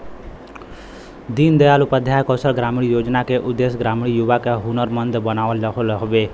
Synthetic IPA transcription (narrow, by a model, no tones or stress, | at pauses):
d̪iːnd̪əjaːlʊpəd̪ʱjajkɔːsəlɡɾaːmɽijoːd͡ʒnakeʔʊd̪ːesɡɾaːmɽ̃ijʊʋakeɦunəɾmənd̪bənaːʋəlkʰlɦɔʋe